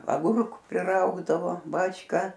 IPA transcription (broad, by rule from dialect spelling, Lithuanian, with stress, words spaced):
ɐˈɡʊrkʊ pʲrʲɪˈrɐʊɡdɐʋoː ˈbɑːt͡ʃˈkɐ